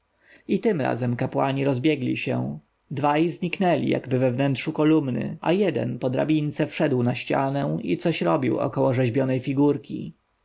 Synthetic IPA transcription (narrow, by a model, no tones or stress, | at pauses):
it̪ɘmɾa̰zɛmkapwaɲiɾɔzbjɛɡlʲḭɕɛ̰̃ | d̪vajzɲiknɛlʲḭja̰ɡbɘvɛvnɛnt̪ʂukɔlumnɘ̰ʔa̰jɛd̪ɛ̰npɔd̪ɾa̰bʲint̪sɛfʂɛd̪wnaɕt͡ɕa̰nɛ̃ḭt̪sɔɕɾɔbʲiwɔ̰kɔwɔʐɛʑbʲjɔnɛjfʲiɡuɾkʲḭ